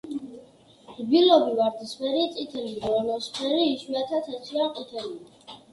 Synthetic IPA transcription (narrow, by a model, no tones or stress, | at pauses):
bilɔbivaɾd̪ispɛɾit̪sʼit̪ʰɛliɾɔnɔspʰɛɾiːʃwiat̪ʰat̪ʰɛtʰiaqʼit̪ʰɛlii